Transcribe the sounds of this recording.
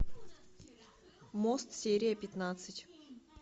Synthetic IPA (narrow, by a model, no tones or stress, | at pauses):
most̪sʲeɾʲɪjəpʲɪt̪nat̪sɨtʲ